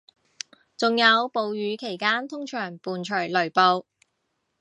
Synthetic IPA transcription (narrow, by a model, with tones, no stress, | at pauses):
t͡sʊ˨ŋjɐ˨˧wpo˨˧wjyː˨˧kʰe˨˩jkaː˥nt̪ʰʊ˥ŋt͡ʃʰœː˨˩ŋpuː˨nt͡ʃʰœː˨˩lɵ˨˩ɥpo˧w